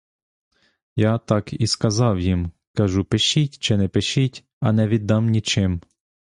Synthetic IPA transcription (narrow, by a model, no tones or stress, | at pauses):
jat̪ɑkiskɐzɑwjim | kɐʒupɪʃitʲt͡ʃɪnɛpɪʃitʲ | ɐnɛʋʲid̪ːɑmnʲit͡ʃɪm